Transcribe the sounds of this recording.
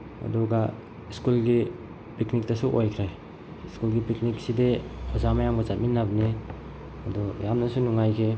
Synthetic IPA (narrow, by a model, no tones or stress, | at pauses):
ɐ̰duɡa | iskulɡi | piknik̚tɐsuʔojkʰɾej | iskulɡipiknik̚sideɔzamajamɡazat̚minːabne | ɐdujamnɐsunuŋajkʰe